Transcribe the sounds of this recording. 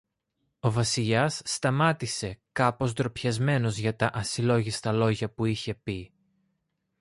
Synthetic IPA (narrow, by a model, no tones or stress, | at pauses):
o̞vɐsiʎɐsːt̪ɐmɐt̪ise̞kɐpo̞zd̪ɾo̞pçɐzme̞no̞zʝɐt̪ɐʔɐsilo̞ʝist̪ɐlo̞ʝɐpuiçe̞pi